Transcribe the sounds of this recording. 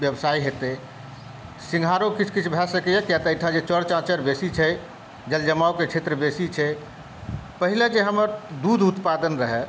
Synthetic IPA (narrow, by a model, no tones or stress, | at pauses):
bjəbsaiɦet̪e | sĩŋɡʱaɾokit͡ʃʰkit͡ʃʰbʱɛsəkejəkjat̪əʈʰãd͡ʒet͡ʃəɽt͡ʃãt͡ʃəɾbesit͡ʃʰɛ | d͡ʒəld͡ʒəmaoket͡ʃʰet̪ɾəbesit͡ʃʰɛ | pəɦiled͡ʒeɦəməɾd̪ud̪ʱut̪pad̪ənɾəɦɛ